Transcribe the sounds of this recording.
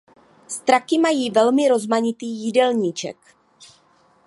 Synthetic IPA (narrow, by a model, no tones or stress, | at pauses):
st̪ɾakɪmajiːvɛlmɪɾo̞zmaɲɪt̪iːjɪdɛlɲit͡ʃɛ̰k